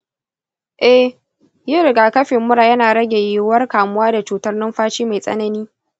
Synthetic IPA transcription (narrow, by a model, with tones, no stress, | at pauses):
ʔɛ˦ | jɪ˦ɾɪ˨ɡaː˨kɐ˦ɸɪ˨mːʊ˦ɽaː˨jɐ˦naː˨ɽɐ˦ɡʲe˨jɪ˦wɐ˦rkaː˨mʊ˦waː˦da˨t͡ʃuː˨tɐ˦rnʊ˦mɸaː˦t͡ʃiː˦ma˨jsʼɐ̰˦nɐ˦niː˦